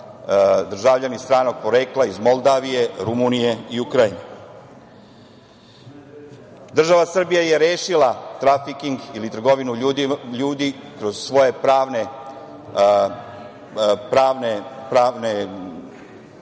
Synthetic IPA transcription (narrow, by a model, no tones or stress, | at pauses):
d̪r̩ʒaːvʎanist̪ɾaːno̞ɡ̚po̞ɾeːklaizmo̞lˠd̪aːʋije̞ɾumunije̞iukɾajine | d̪r̩ʒaʋasr̩bijaje̞ɾeːʃilat̪ɾafikiŋɡilit̪r̩ɡo̞ʋinuʎuːd̪ikɾo̞z̥sʋo̞je̞pɾaːne | pɾaːʋnepɾaːʋne